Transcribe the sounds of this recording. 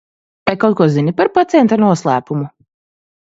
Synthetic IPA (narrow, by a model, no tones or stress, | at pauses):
vajkawt̪̚kuɔzinipaɾpat̪sʲɛnt̪anuɔslˠæːpumu